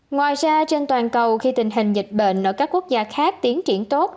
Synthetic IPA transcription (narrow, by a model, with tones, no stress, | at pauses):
ŋwaː˨˩jzaː˧t͡ɕe˧nt̪waː˨˩nkə˨˩wxi˧t̪ï˨˩ŋ̟ɦï˨˩ŋ̟zï˨˩k̟̚ɓḛ˧˩˨nʔəː˧˩kaː˦˥kːu˦˥ək̚zaː˧xaː˦˥k̚t̪i˨˦ənt͡ɕi˧˩ənt̪o˦˥t̚